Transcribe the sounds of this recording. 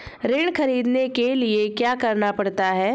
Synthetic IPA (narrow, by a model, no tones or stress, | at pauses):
ɾeːɳ̃kʰɐɾiːd̪nekeliekjaːkɐɾnapɐɽt̪aɦɛː